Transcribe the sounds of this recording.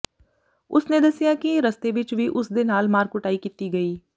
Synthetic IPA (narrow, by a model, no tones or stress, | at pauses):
ʊsneːd̪əsɪjaːkiɾəst̪eːʋɪt͡ʃʋiːʔʊsd̪eːnaːlmaːɾkʊʈaːiːkit̪iːɡəiː